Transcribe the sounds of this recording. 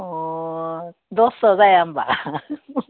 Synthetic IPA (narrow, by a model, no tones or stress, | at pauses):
o | d̪osozajamba